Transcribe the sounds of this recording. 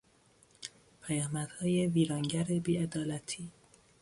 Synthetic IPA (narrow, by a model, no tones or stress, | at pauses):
pʰæjɒːmæd̪̥hɒːjeviːɾɒːŋɟæɾebiːed̪ɒːlæt̪ʰiː